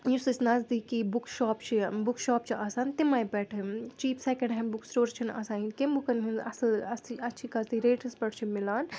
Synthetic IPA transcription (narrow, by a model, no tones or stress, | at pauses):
jusɐt͡ʃnɐzd̪ikibukʃɔːpt͡ʃʰibukʃɔːpt͡ʃʰiʔaːsaːnt̪imajbɛːʈʰɨt͡ʃiːpsekẽɳɖɦɛ̃buksʈoːɾt͡ʃʰinɐ̰saːĩnkembukɐnɦinɐ̰sɐlɐiɐtːt͡ʃʰikɐzd̪iɾeːʈɐspɐɽt͡ʃʰimilaːn